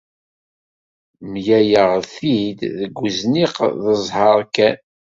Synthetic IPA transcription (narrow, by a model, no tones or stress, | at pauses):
mjæjəʁθid̪ðəɡʷːəzniqðəzˤhɑɾˤkːæn